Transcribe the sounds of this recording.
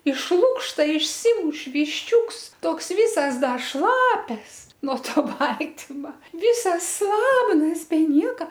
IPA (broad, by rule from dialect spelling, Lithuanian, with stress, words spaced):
ɪʃ ˈlˠʊkʃtɐ ɪʃʲˈsʲiːmʊʃ ʋʲɪʃʲˈt͡ʃʲuːks ˈtoːks ˈʋʲiːsɐs ˈdɐ ˈʃlˠɑːpʲɛs nuɔ ˈtoː ˈbɐlʲtʲɪmɐ ˈʋʲiːsɐs ˈslˠɑːbnɐs bʲɛ ˈnʲiɛkɐ